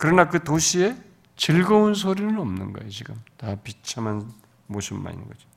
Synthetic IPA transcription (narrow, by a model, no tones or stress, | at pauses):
kɯɾʌnakɯtoɕʰie̞ | t͡ɕiɭɡʌunsʰoɾinɯnʌmnɯ̰nɡa̰jet͡ɕiɡamtapit͡ɕʰaman | moɕʰimma̰ḭn̰ŋɡʌd͡ʑo̥